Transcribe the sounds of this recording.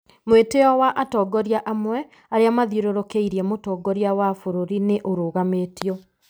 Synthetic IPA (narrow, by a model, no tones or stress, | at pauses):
mweteɔwaʔatɔːɡɔɾjaʔamwɛ | aɾeamaðioɾoɾokeiɾjɛmotɔːɡɔɾjawafoɾoɾineʔoɾoːɣametiɔ